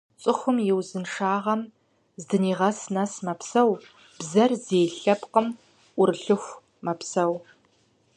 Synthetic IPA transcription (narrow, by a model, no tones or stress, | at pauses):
t͡sʼɨxʷʊmjɪwzɨnʂaːʁɐm | zdɨniːʁɐsnɐsmɐpsɐw | b̥zɐrzeːɬɐpqəm | ʔʷʊrɨɬɨxʷ | mɐpsɐw